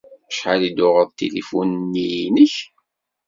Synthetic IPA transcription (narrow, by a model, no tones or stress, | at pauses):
əʃħalid̪ʊʁəðˤt̪ilifunnːijinəç